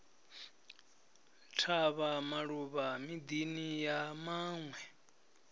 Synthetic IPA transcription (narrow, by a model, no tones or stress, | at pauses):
tʰaβamaɺuβamid̪inijamaːŋwɛ